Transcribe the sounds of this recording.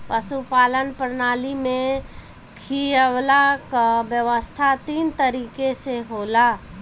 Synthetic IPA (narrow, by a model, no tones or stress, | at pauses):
pəsupaːlənpəɾnaːlimẽ | kʰiəwlakabjəʋəst̪ʰat̪iːnt̪əɾiːkeseɦoːla